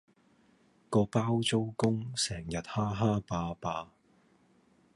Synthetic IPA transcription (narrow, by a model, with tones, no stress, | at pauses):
kɔː˧paː˥wt͡so˥wkʊ˥ŋsɛː˨˩ŋjɐ˨t̚haː˥ɦaː˥paː˧paː˧